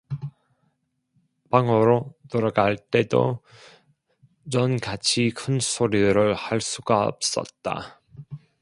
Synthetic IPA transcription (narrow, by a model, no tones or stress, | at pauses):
paŋʌɾotoɾaɡaɭt͈e̞do̰ | t͡ɕʌnkat͡ɕʰikʰɯnsʰoɾidɯɾɯɭhaɭs͈uɡaʌ̰p̚s͈ʌ̰t̚t͈a̰